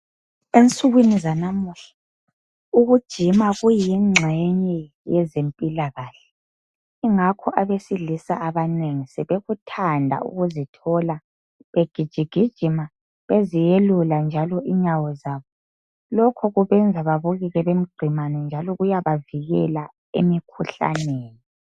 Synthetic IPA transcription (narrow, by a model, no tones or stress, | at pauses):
ent͡sʼuɣwinizanamuɬḁ | uɣud̥ʒ̥ʱimaɣujiŋ͡ǁʱɛɲɛ | jɛzempʼilaɣaːɬɛ̥ | iŋakʰɔʔaβesilisa̰ʔaβaneŋisɛβeɣutʰandʱa̰ʔṵɣuzitʰɔla | βeɡ̥ʱid̥ʒ̥ʱiɡ̥ʱid̥ʒ̥ʱima | βezijeluland͡ʒʱalɔʔiɲawɔzaːβɔ | lɔkʰɔɣuβɛnd͡zʱaβaβuɣiɣɛβem̩ɡ͡ǀʱimanɛnd͡ʒʱalɔɣujaβaviɣɛ̰la | ḛmikʰuɬa̰neːni